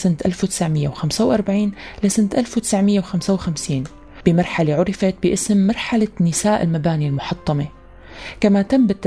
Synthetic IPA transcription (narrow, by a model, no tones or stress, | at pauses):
sɪnt̪ʔa̰lfwt̪ɪ̥sʕmɪjːawxamsawʔɑɾˤbaʕiːnlasɪnt̪ʔalfwt̪ɪ̥sʕmɪjːawxamsawxamsiːn | b̥ɪmɑɾˤħaleʕʊɾɪfat̪̚bɪʔɪsmːɑɾˤħalanɪsaːʔɪlmabaːnilmʊħɑt̪ˤːɑme | kamat̪amːbɪt̪ː